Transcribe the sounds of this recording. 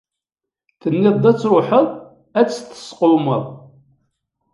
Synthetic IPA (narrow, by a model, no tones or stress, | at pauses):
θənːɪðˤd̪æt͡sːɾoħəðˤ | æt͡sːθə̥sqʊməðˤ